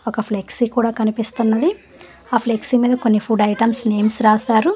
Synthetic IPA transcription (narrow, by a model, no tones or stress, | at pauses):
ɔkɐpʰleksikuːɽaːkɐnipist̪unːɐd̪i | aːpʰleksimiːd̪ɐkonːipʰuɖɐjʈɐmsne̞ːmsɾaːsaːɾu